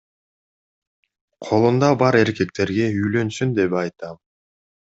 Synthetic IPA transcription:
qʰo̞lˠund̪ɑbɑɾe̞ɾke̞k̚t̪e̞ɾɡe̞yjlø̞nsynd̪e̞pɑjt̪ɑm

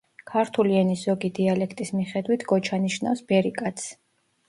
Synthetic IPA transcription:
kʰaɾt̪ʰuliɛnizɔɡid̪ialɛkʰt̪ʼismiχɛd̪wit̪ʰɡɔt͡ʃʰaniʃna̰fsb̥ɛɾikʼat̪sʰ

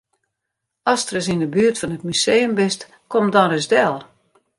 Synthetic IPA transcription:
ɔstrəs̬indəbyərtfɔnət̚mysejəmbɪst | komdɔnrɪsdɛlˠ

